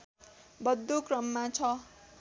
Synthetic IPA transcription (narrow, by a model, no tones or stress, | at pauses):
bʌd̪ːokrʌmːat͡sʰʌ